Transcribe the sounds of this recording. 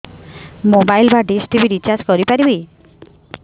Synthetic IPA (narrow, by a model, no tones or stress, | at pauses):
mobajlbaɖisʈibʱiɾit͡ʃad͡ʒkɔɾipaɾibi